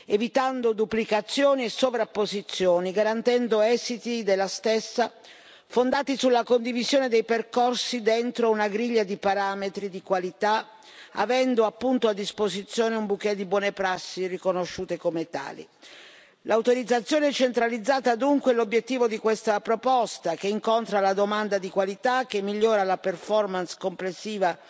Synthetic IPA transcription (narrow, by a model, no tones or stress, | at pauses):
evit̪and̪od̪uplikat̪sːjoːniesːovɾapːozit̪sːjoːniɡaɾant̪ɛnd̪oɛːzit̪id̪elːast̪esːa | fond̪aːt̪isulːakond̪ivizjoːned̪ejperkorsid̪ent̪ɾounaɡɾiʎːad̪ipaɾaːmet̪ɾid̪ikwalit̪a | a̰vɛnd̪oapːunt̪oad̪ːispozit̪sːjoːneumbukːɛd̪ːibwɔːnepɾasːirikonoʃːuːt̪ekomet̪a̰ːlḭ | lʔawt̪oɾid̪zːat̪sːjoːneɛt͡ʃent̪ɾalid̪zːaːt̪ad̪uŋkwelobjet̪ːiːvod̪ikwest̪apɾopɔst̪ak̟eiŋkont̪ɾalad̪omand̪ad̪ikwalit̪ak̟ːemːiʎːoːɾalaperfɔrmanskomplesːiːva